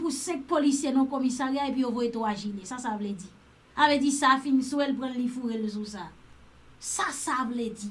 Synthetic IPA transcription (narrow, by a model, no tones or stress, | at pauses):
pusɛ̃k̚polisjenɔ̃komisaɣejaepɥiovojet̪oaʒilesasavledi | avedisafinsuwɛlp̬ɣɐ̃nlifuɣelsũsa | sasavled͡zi